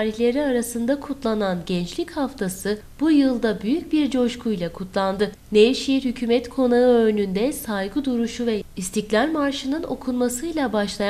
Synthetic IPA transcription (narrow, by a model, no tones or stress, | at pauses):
aːɾiçlʲe̞ɾiaɾasɯnd̪akʰut̪lˠananɟɛnt͡ʃlʲichaft̪ʰasɯ | b̥ujɯlˠd̪abyjycbiɾd͡ʒo̞ʃkʰujlˠakʰut̪ʰlˠand̪ɯ | neʃijiɾhycʰyːmɛt̪kʰo̞naɯø̞nynd̪ɛsajɡud̪uɾuʃuvɛist̪ʰiclʲaɾmaɾʃɯnɯno̞̰kʰunmasɯjlˠabaʃlˠaj